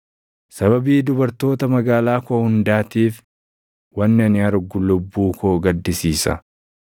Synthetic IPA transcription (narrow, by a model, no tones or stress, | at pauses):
sɐbɐbiːd̪ʊbɐɾt̪o̞ːt̪ɐmɐɡaːlaːkohʊnd̪aːt̪iːf | wɐnːɪɐnɪɐɾɡʊlʊbːuːkʰoːɡɐd̪ːɪsiːsɐ̰